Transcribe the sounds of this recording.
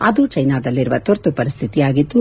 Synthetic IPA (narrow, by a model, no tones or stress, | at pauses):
ɐd̪ut͡ʃɐjnaːd̪ɐlːiɾuʋɐt̪oɾt̪upɐɾist̪ʰit̪ijaːɡit̪ːu